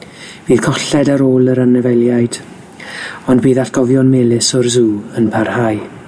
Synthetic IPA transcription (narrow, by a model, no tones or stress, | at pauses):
v̥iːð̥kʰɔɬɛdaɾoːlˠəɾanɛvɛlˠjajd̥ | ɔndbiːðatʰɡ̥ɔvjɔnmɛlˠɪsɔrzuːənpʰarhaj